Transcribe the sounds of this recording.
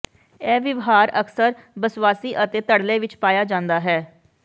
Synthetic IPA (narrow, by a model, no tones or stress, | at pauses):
ɛːʋɪʋɦaːɾəksəɾbəswaːsiːʔət̪eːt̪əɽleːʋɪt͡ʃpaːjaːd͡ʒãːnd̪aːɦɛː